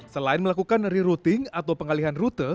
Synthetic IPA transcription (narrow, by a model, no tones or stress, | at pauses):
səlaɪnməlakukanriɾut̪ɪŋat̪awpəŋaliɦanrut̪ə